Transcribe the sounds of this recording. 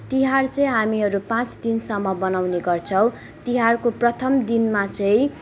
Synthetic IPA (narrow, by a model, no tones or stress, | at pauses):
t̪iɦart͡sʌĩɦamiɦʌɾupãt͡sd̪insʌmːʌbʌnawneɡʌrt͡sʰʌw̃ | t̪iɦarkoprʌt̪ʰʌmd̪inmat͡sʌĩ